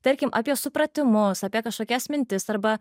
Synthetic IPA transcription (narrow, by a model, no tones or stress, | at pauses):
t̪ɐɾʲkʲɪmʔɐpʲiɛsʊpɾɐt̪ʲɪmʊsɐːpʲiɛkɐʃkoːkʲɛsmʲɪnʲt̪ʲɪsɐɾbɐ